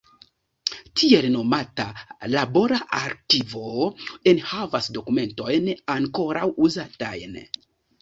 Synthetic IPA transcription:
tʰie̞lno̞matalabo̞ɾaʔaɾkivo̞e̞nhavasdo̞kume̞nto̞jnaŋko̞ɾawuzata̰jn

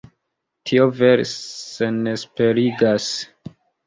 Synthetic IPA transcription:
tʰio̞veɾse̞nespe̞ɾiɡas

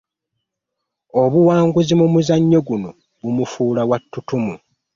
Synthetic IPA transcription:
o̞βuwaːŋɡuzimumuzaɲːo̞ɡuno̞ | βumufuːlawatːutumu

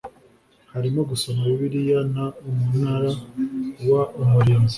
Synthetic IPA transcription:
haɾimo̞ɡuso̞maiβiɾijanaumunaɾawaumuɾiːnzi

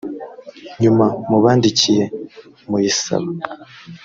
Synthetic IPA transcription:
ɲumamuβaːndicije̞ | mujisa̰βa

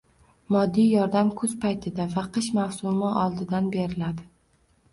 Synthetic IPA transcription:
mɒd̪ːijjɒɾd̪amkʰɵzpajt̪ʰɪd̪avaqʰɨʃmawsʊmɪʔɒlˠd̪ɪd̪anbe̞ɾɪlad̪ɪ

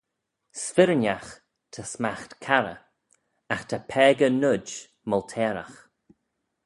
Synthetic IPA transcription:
sfɪɾənʲax | t̪ʰəsmaxt̪kʰaɾə̰ | axt̪ʰapʰɛːɡənʊd͡ʒ | mɔlt̪ʰɛːɾa̰x

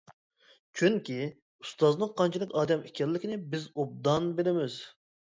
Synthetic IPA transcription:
t͡ʃʰyŋkʲi | ust̪ɑznəɴqʰɑnt͡ʃʰilˠɪkʲɑːd̪ɛmekʲɛlːɪkʲinɪbɪzob̚d̪ɑnbelɪmɪz

